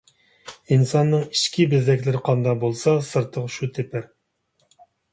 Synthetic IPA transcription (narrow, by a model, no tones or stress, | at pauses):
insɑnːɨŋiʃkʲʰibɪzd̪ɛkʲlɪɾɪqʰɑnd̪ɑbolˠsɑsɨɾt̪ʰːəqʃut̪ʰɪpʰɪɾ